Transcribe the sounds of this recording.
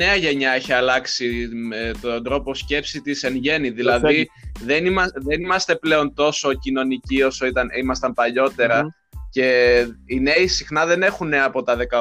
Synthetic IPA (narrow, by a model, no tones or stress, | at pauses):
e̞ɐʝe̞ɲɐeçiɐlɐksimet̪ond̪ɾo̞po̞sce̞psit̪ise̞nʝe̞niðilɐðiðe̞nimɐðe̞nimɐst̪e̞ple̞o̞nt̪o̞so̞cino̞nicio̞so̞it̪ɐnimɐst̪ɐmpɐʎo̞t̪e̞ɾɐ | ce̞ine̞isixnɐðe̞ne̞xunːeɐpo̞t̪ɐðe̞kɐ